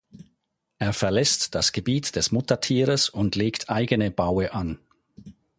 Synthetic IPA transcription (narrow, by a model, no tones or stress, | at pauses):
ʔeːɐfɛɐlɛstd̥asɡ̥əbiːtd̥ɛsmʊtɐtʰiːʁəsʊntleːktʰʔaɪɡənəbaʊəʔan